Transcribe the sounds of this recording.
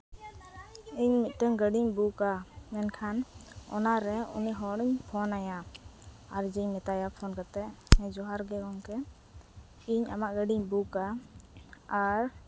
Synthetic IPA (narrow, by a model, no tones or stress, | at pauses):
iɲmit̪̚ʈəŋɡəɖiɲbukamɛnkʰanɔ̰naɾɛṵniʔɦɔɽiɲpʰɔnaja | aɾd͡ʒɛɲmɛt̪ajapʰɔnkat̪ɛʔɛ̃d͡ʒɔɦaɾɡɛkɔŋkɛ | iɲa̰maʔɡəɖiɲbukaː | ɾ